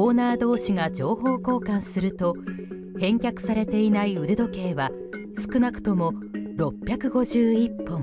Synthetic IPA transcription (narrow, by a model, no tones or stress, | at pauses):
oːnaːd̪o̞ːɕiŋad͡ʑo̞ːho̞ːko̞ːkãñsɨɾɯ̟t̪o̞ | hẽ̞ŋkʲakɯ̟̥saɾe̞t̪e̞inaiɯ̟d̪e̞d̪o̞ke̞ːβa | sɨ̥kɯ̟nakɯ̟̥t̪o̞mo̞ɾo̞pʲːjakɯ̟ɡo̞ʑɨːipːõ̞m